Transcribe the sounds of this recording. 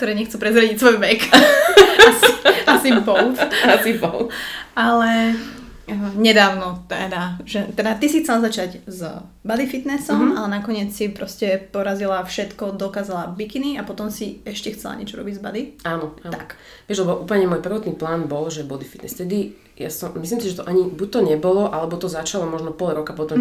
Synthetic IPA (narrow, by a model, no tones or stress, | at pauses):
kt̪ɔɾɛːɲɛxt͡sɛpɾɛzɾaɟicsʋɔjʋɛk | asasimpɔlt̪asipɔlalɛ | ɲɛd̪aːʊnɔt̪ɛd̪aʒɛt̪ɛd̪at̪isixt͡sɛlazat͡ʃaɟz | bad̪ifit̪nɛsɔmalɛnakɔɲɪɛt͡ssipɾɔscɛpɔɾazilafʃɛt̪kɔd̪ɔkaːzalabikiniapɔt̪ɔmsiɛʃcɛxt͡sɛla̰ɲɛ̰t͡ʃɔɾɔ̰biɟzbad̪iaːnɔaak | ʋɪɛʒlɛbɔʔuːpl̩ɲɛmɔːjpr̩ʋɔt̪niːplaːnbɔlʒɛbɔd̪ifi̥t̪nɛ̰st̪ɛd̪i | ja̰sɔmisliːmsiʒɛt̪ɔʔaɲibuc̚ʲt̪ɔɲɛbɔlɔʔalɛbɔt̪ɔzat͡ʃalɔmɔʒnɔpɔlɾɔkapɔt̪ɔm